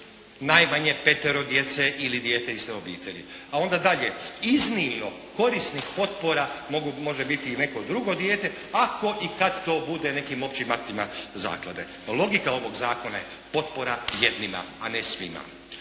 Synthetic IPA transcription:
najmaɲe̞pe̞t̪eɾo̞d̪je̞t̪se̞ʔilid̪je̞ːt̪e̞ist̪eobḭːt̪e̞ʎḭao̞nd̪ad̪aʎe̞iznimno̞ | ko̞ɾisnixpo̞t̪̚po̞ɾamo̞ɡumo̞ʒebit̪iːne̞ko̞d̪ɾuɡo̞d̪jeːt̪e̞ako̞ʔikad̪t̪o̞ːbud̪e̞ne̞kiːmo̞pt͡ʃimapt̪imaza̰ːklˠa̰d̪e̞̰ | lˠo̞ɡikao̞ʋo̞ɡzaːko̞naje | po̞t̪̚po̞ɾajed̪nima̰ːnesʋḭma̰

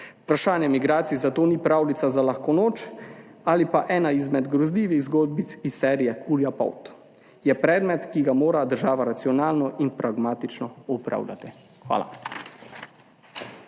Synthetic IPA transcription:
upɾaʃaːnjɛmiɡɾaːt̪sizat̪oːniːpɾaːwlit̪sazalaxkɔnoːt͡ʃalipaʔɛːnaizmɛd̪ɡɾɔzliːʋiɣzɡɔd̪̚bit̪sisːɛːɾijɛkʰuljapɔ̰wt̪ | jɛpɾɛːd̪mɛt̪kiɡamoːɾad̪əɾʒaːʋaɾat̪siɔnaːlnɔʔinpɾʔaɡmaːt̪it͡ʃnɔɔpɾa̰ːwlʲa̰t̪i | xʋa̰ːla̰

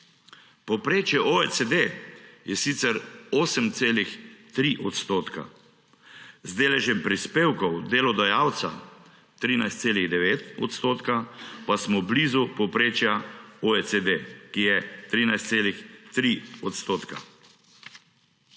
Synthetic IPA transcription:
pɔpɾeːt͡ʃjɛʔoesed̪ejɛsit̪sɛɾoːsəmt̪seːlixt̪ɾiʔɔt̪st̪oːt̪ka̰ | zd̪eːlɛʒjɛmpɾispeːwkɔwd̪eːlɔd̪ɔjawt̪sa̰ | t̪ɾiːnajst̪seːliɣd̪ɛʋeːt̪ɔt̪st̪oːt̪kapasmɔbliːzupɔpɾeːt͡ʃjaoesed̪ekijɛt̪ɾiːnajst̪seːlixt̪ɾiɔt̪st̪oːt̪ka̰

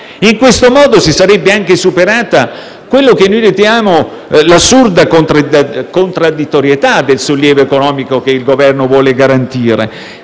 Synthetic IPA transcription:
iŋkwest̪omɔːd̪osisaɾɛbːeaŋkesupeɾaːt̪a | kwelːok̟enːojd̪it̪jaːmo | lasurd̪akont̪ɾakont̪ɾad̪ːit̪ːoɾjet̪ad̪elsolːjɛːvoekonɔːmikok̟eilɡovɛrnovwɔːleɡaɾant̪iːɾḛ

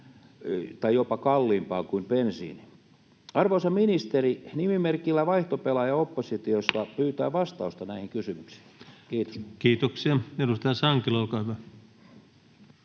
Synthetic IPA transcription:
t̪ɑijopɑkɑlːiːmpɑːkuimpensḭːni | ɑrʋoisɑminist̪erinimimerkilːæʋɑiht̪opelɑjɑopːosit̪ioslɑpyːt̪æːʋɑst̪ɑust̪ɑnæihiŋkysymyksi̥i̥kiːt̪o̥skiːt̪oksiɑedust̪ɑjɑsɑŋkiloˑlkɑːˑyʋæ

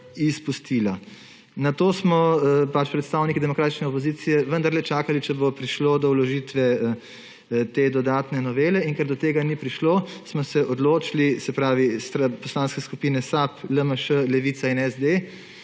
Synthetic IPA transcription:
ispust̪ila | nat̪oːsmɔpat͡ʃpɾɛt̪st̪aːwnikid̪ɛmɔkɾaːt̪it͡ʃnɛɔpoziːt̪sijɛʋənd̪aɾlɛt͡ʃaːkalit͡ʃɛbopɾiʃloːd̪ɔwlɔʒiːt̪ʋɛ | t̪eːd̪ɔd̪aːt̪nɛnɔʋeːlɛiŋkɛɾd̪ɔt̪eːɡanipɾiʃloːsmɔsɛʔɔd̪loːt͡ʃilisɛpɾaːʋist̪ɾapɔslaːnskɛskupiːnɛsapləməʃəlɛʋiːt̪sainɛzd̪e

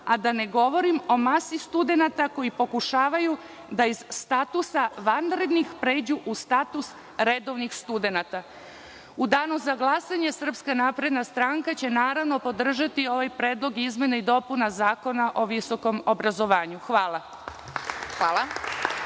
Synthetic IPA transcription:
ad̪ane̞ɡo̞ʋo̞ɾimo̞masist̪ud̪e̞nat̪ako̞jipo̞kuʃaːʋaju | d̪aizst̪at̪usaʋanɾe̞d̪nixpɾe̞ːd͡ʑuʔust̪at̪us | ɾed̪o̞ʋnixst̪ud̪e̞nat̪a | ud̪aːnuzaɡlˠasaɲe̞sr̩pskanaːpɾe̞d̪nast̪ɾaŋkat͡ɕe̞naːɾaʋno̞po̞d̪r̩ʒat̪io̞ʋajpɾeːd̪lˠo̞ɡizmje̞neid̪o̞punazaːko̞naʔo̞ʋiso̞ko̞mobɾazo̞ʋaːɲuxʋaːla | xʋaːla

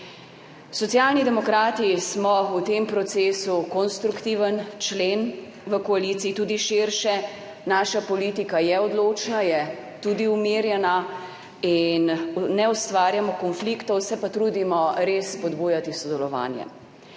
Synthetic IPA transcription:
sɔt̪sjalnid̪ɛmɔkɾaːt̪ismɔut̪empɾɔt̪seːsukɔnst̪ɾukt̪iːʋənt͡ʃleːn | ʋəkɔaliːt̪siːt̪uːd̪iʃiɾʃɛ | naːʃapɔliːt̪ikajɛɔd̪loːt͡ʃnajɛ | t̪ud̪iumiːɾjɛna | inːɛust̪ʋaːɾjamɔkɔnflikt̪ɔwsɛpat̪ɾuːd̪imɔɾesːpɔd̪buːjat̪isɔd̪ɛlɔʋa̰ːnjɛ̰

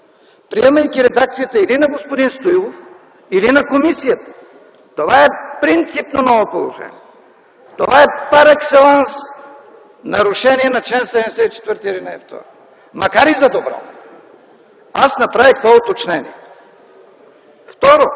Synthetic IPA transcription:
pɾiɛmɐjkʲiɾɛd̪ak̚t̪sijət̪əilinɐɡospod̪inst̪oilˠof | ilinɐkomisijət̪ə̥ | t̪ovaɛpɾint̪sipnonɔvopolˠo̰ʒɛ̰nḭɛ | t̪ovaɛpaɾɛksɛlˠans | nɐɾuʃɛniɛnɐt͡ʃlɛnsɛd̪ɛmɛsɛit͡ʃɛ̥t̪vəɾt̪iɾinɛɛft̪ɔ̰ɾo | mɐkaɾizɐd̪obɾɔ̰ | asnɐpɾavik̪vɔot̪ot͡ʃnɛnḭɛ | ft̪ɔɾo

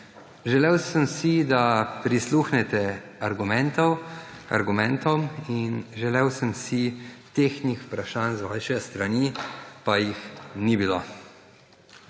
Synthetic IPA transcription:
ʒɛlɛwsəmsid̪apɾisluxnɛt̪ɛaɾɡumɛnt̪ɔwa̰ɾɡumɛ̃nt̪ɔminʒɛlɛwsəmsit̪eːxnixpɾaʃaːnzʋaʃɛst̪ɾanipajixnibilo

